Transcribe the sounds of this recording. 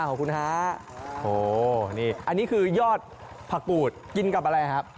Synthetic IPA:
kʰɔː˨˩˦ŋkʰu˧nhaː˦˥ | oː˨˧˩niː˥˩ʔa˧nːiː˦˥kʰɯː˧jɔː˥˩t̪̚ | pʰa˧kuː˨˩t̪̚ki˧nka˨˩p̚ʔa˧ɾa˧jkʰa˦˥p̚

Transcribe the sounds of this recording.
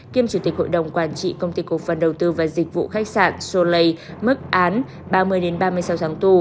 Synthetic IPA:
ki˧əmt͡ɕu˧˩t̪i˨˩k̟̚ho̰˧˨jɗə˨˩wŋ͡mkwaː˧˩nt͡ɕḭ˧˨kə˧wŋ͡mt̪i˧ku˧˨˩fə˨˩nɗə˨˩wt̪ɨ˧vaː˨˩zi˨˩k̟̚vṵ˧˨xa˦˥k̚sa̰ː˧˨nso˧lə˧jmɨ˦˥k̚ʔaː˨˦n | ɓaː˧mɨ˧əjɗe˨˦nɓaː˧mɨ˧əjsa˨˦wt̪ʰːŋt̪u˨˩

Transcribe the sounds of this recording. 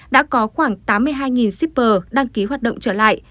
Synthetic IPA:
ɗa̰ː˧˥kɔ˨˦xwaː˧˩ŋt̪aː˨˦mːɨ˧əjɦaː˧jŋi˨˩nsi˦˥p̚ːəː˨˩ɗa˧ŋki˨˦ɦwa˨˩t̚ɗə̰˧˨wŋ͡mt͡ɕəː˧˩la̰ː˧˨jʔ

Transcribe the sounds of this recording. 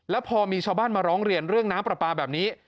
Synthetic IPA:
lɛː˦˥wpʰɔː˧miː˧t͡ɕʰaː˧wbaː˥˩nmaː˧ɾɔː˦˥ŋɾi˧ənɾɯ˥˩əŋnaː˦˥mpɾa˨˩paː˧bɛː˨˩p̚niː˦˥

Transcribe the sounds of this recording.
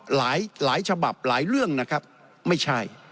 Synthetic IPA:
laː˩˦jlaː˨˩˦jt͡ɕʰa˧ba˨˩p̚laː˩˦jɾɯ˥˩əŋna˦˥kʰa˦˥p̚ | ma˥˩jt͡ɕʰa˥˩j

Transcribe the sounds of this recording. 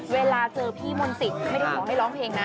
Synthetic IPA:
weː˧laː˧t͡ɕɤː˧pʰiː˥˩mo˧nsi˨˩t̪̚ma˥˩jda˥˩kʰɔː˨˩˦ɦa˥˩jlɔː˦˥ŋpʰeː˧ŋna˦

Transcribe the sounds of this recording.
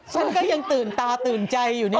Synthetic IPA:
t͡ɕʰa˥˩nkɔː˥˩ja˧ŋt̪ɯː˨˩nt̪aː˧t̪ɯː˨˩nt͡ɕa˧jːuː˨˩na˥

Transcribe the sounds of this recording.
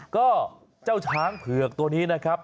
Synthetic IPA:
kɔː˥˩ | t͡ɕaː˥˩wt͡ɕʰaː˦˥ŋpʰɯ˨˩ək̚t̪u˧əniː˦˥na˦˥kʰa˦˥p̚

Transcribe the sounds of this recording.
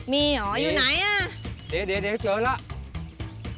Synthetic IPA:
mi˧ɔ˨˩zu˧na˨˦jaː˧˩ɗe˨˦ɗe˨˦ɗe˨˦t͡ɕəː˨˦la˧˦˨

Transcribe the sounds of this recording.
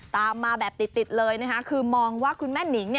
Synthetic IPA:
t̪aː˨˩maː˧ɓɛː˨˩p̚t̪i˨˩t̚t̪i˨˩t̪̚ləː˧jnə˨˧˦ɦa˧˦˥kʰɨ˧mɔː˧˩ŋwaː˨˦˥kʰu˧nmɛː˦˥ni˨˩˦ŋɲɛ˧˩

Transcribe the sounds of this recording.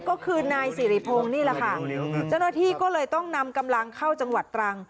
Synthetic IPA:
kɔː˥˩kʰɯː˧naː˧jsiː˨˩˦ɾiː˧˦˩pʰoː˧ŋniː˥˩lɛ˨˩kʰa˥˩t͡ɕa˥˩wnaː˥˩t̪ʰiː˥˩kɔː˥˩lɤː˧jt̪ɔ˥˩ŋna˧mka˧mla˧ŋkʰa˥˩wt͡ɕa˧ŋwa˨˩t̪ːɾa˧ŋ

